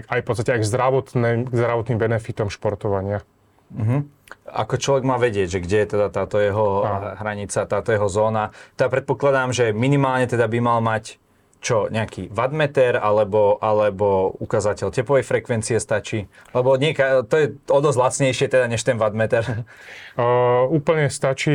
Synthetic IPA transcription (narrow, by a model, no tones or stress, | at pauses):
ajpɔt̪st̪acɛajɡzd̪ɾaʋɔt̪nɛmɡzd̪ɾaʋɔt̪nimbɛnɛfit̪ɔmʃpɔɾt̪ɔʋaɲɪa | m̩ɦm̩ | a̰kɔt͡ʃlɔʋɛɡmaːʋɛɟɪɛɟʒɛɡɟɛjɛt̪ɛd̪at̪aːt̪ɔjɛɦɔɦɾaɲit͡sat̪aːt̪ɔjɛɦɔzɔːnat̪ɛd̪apɾɛt̪̚pɔklad̪aːmʒɛminimaːlɲɛt̪ɛd̪abimalmac | t͡ʃɔɲɛakiʋad̪mɛt̪ɛɾalɛbɔʔalɛbɔukazacɛʎcɛplɔʋɛjfɾɛkʋɛnt͡siɛst̪at͡ʃiːlɛbɔɲɛkat̪ɔjɛɔd̪ɔzlat͡sɲɛjʃɪɛt̪ɛd̪aɲɛʃt̪ɛnʋad̪mɛt̪ɛɾ | uːpl̩ɲɛst̪at͡ʃi